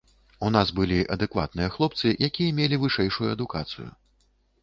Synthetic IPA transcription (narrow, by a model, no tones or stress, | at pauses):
un̪asbɨlʲiʔɐ̰d̪ɛkva̰t̪̚nɨjɐxlˠɔpt̪sɨjʔakʲijɐmʲelʲivɨʂɛjʂujuɐd̪ukat̪sɨ̰jṵ